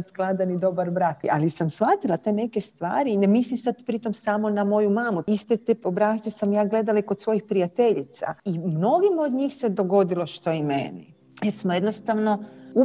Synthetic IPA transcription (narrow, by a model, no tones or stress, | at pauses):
sklˠad̪anid̪o̞baɾbɾaːka̰lisamsʋat̪ilat̪e̞ne̞ke̞st̪ʋa̰ːɾinemislimsad̪pɾit̪o̞msamo̞namo̞jumaːmuist̪et̪eobɾaːst̪esamjaːɡle̞d̪alaiko̞t̪sʋo̞jixpɾijat̪e̞ʎit̪sa̰imno̞ɡimod̪ɲiːxse̞d̪o̞ɡo̞d̪ilo̞ʃt̪o̞imḛnḭ | jeɾsmoje̞d̪nost̪aʋno̞u